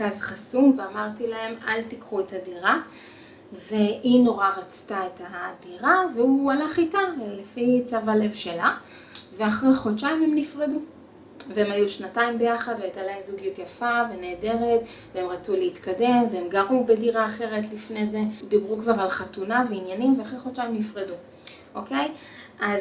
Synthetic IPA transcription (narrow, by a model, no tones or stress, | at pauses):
kazχasumveamaʁtilahe̞ma̰ltikχuetadiʁa | ve̞ʔino̞ʁaʁat͡staetadiʁaveualaχitalefit͡savale̞vʃe̞la | veaχʁeχot͡ʃaime̞mnifʁedu | veemajuʃnataimbe̞jaχadveajtalahe̞mzuɡijutjafavene̞ːde̞ʁet | veemʁat͡suleitkade̞mveemɡaʁubediʁaːχe̞ʁe̞tlifne̞zed̪ibʁukvaʁalχatunaveinjanimveaχʁeχo̞t͡ʃajimnifʁedu | ʔo̞kej | ʔaz